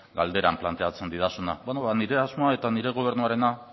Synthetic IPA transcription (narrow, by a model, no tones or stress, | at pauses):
ɡald̪e̞ɾamplant̪e̞at͡se̞nd̪iðasuna̰benoβaniɾe̞azmo̞ae̞t̪aniɾe̞ɣo̞β̞e̞ɾnuaɾe̞na